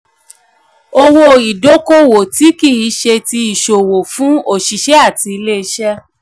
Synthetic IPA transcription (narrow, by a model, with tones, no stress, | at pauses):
o˧wo˧i˨do˨˦ko˦wo˨ti˨˦ki˦˨i˨˦ʃe˧ti˧i˨ʃo˨wo˨fũ˨˦o˦˨ʃi˨ʃɛ˦a˦˨ti˧i˧le˦i˧˦ʃɛ˦